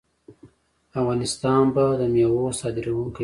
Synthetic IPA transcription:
afɣɑnɪst̪ɑnbad̪əmjawosɑd̪ɪɾawok

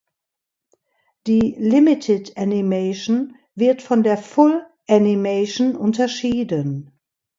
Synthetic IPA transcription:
d̥iːlɪmɪtʰɪdanimeʃn̩ | vɪɐtfɔndeːɐfʊl | ʔanimeʃnʔʊntɐʃiːdən

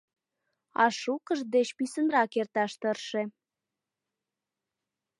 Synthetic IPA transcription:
ɑʃukəʒd̪et͡ɕpysənrɑkert̪ɑʃt̪ərʃe

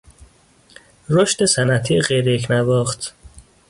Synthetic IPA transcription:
ɾoʃt̪esænæt̪ʰieɢejɾejecʰnævɒːxt̪ʰ

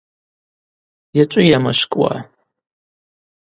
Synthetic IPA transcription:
jat͡ʃʷʼʊjamaʃkʼwa̰

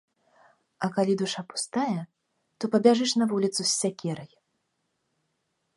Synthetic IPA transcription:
ɐkalʲid̪uʂapu̥st̪ajɛ | t̪ɔpɐbʲaʐɨʂnɐvulʲit̪susʲːakʲɛɾɐj

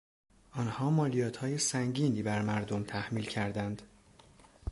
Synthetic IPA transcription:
ʔɒːnhɒːmɒːlijɒːt̪ʰhɒːjesæŋɟiːniːbæɾmæɾd̪omt̪ʰæhmiːlcʰæɾd̪ænd̪̥

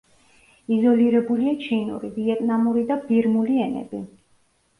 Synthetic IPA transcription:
izɔliɾɛbuliat͡ʃʰinṵɾiviɛt̪ʼnamuɾid̪abiɾmuliɛnɛ̰bḭ

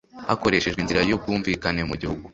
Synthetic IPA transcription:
hako̞ɾe̞ʃe̞ʒinziɾajo̞b̚ɡuːɱviːkane̞mṵɟihuɡu

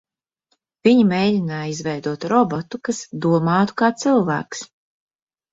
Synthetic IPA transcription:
viɲimejdʲinaːjizvɛjd̪uɔt̪ɾɔbɔt̪ukasd̪uɔmɑːt̪u̥kaːt̪sɨlˠvæ̰ːks

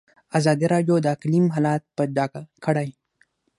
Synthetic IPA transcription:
azɑd̪iɾɑɖjod̪əklimɦalɑt̪̚pəd͡ʒaɡakʰəɽaj

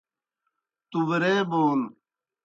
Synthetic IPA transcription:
t̪uʋəɾeːboːn

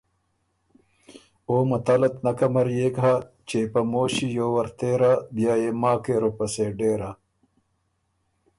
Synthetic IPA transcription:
oːmɐt̪alɐt̪nɐkɐmɐɾjekɦa | t͡ʃepɐmoːɕijoːwɐɾt̪eːɾabjaːjeːmaːkeɾopɐseːɖeːɾa

